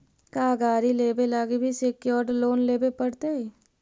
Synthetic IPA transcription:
kaːɡaːɾileːbelaːɡebʱisekjɔːɾɖloːnleːbepɐɽt̪eɛ

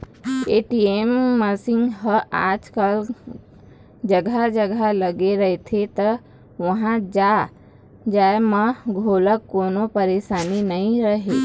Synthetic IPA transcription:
eːʈiemːəsɪ̃ŋɡɦəa̰ːd͡ʒkəl | d͡ʒəɡʱad͡ʒəɡʱaləɡeɾəɦet̪ʰet̪ə | ʋɐɦãd͡ʒa | d͡ʒaːemãɡʱoːləkːoːnopəɾeːʃaːninəĩɾəɦe

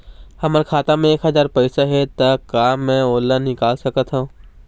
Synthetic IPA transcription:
hɐməɾkʰaːt̪ãmẽeːkɦəɐzaːɾpɛɪsaɦɛt̪ɐkaːmːɛ̃oːlːanɪkaːlsɐkət̪ɦã

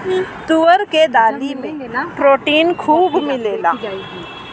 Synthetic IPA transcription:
t̪uʋəɾked̪aːlimẽpɾoːʈiːnkʰuːbmɪleːla̰ː

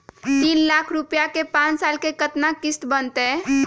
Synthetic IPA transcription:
t̪inlakʰɾupjakepãt͡ʃsalkekət̪nakist̪bənt̪e

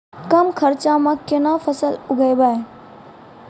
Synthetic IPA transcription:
kɐmkʰɐɾt͡ʃaːmãkenafʰəsəlʊɡəjbaːe

